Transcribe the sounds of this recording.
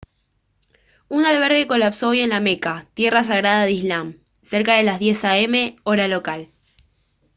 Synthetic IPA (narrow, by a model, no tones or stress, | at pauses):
unalβ̞eɾɣe̞ko̞lapso̞ojenlame̞kat̪je̞ras̬aɣɾaðaðizlam | seɾkað̞e̞lazð̞je̞saeme̞oɾalo̞kal